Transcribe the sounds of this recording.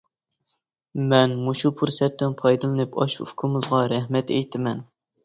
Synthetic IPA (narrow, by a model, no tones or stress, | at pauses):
mɛnmuʃupʰuɾsɛt̪ːɪnpʰɑjd̪ɨlˠɨnɨpɑʃṵkʰɨmɨzʁɑɾɛhmɛt̪ʰɛ̰jt̪ʰɪmɛn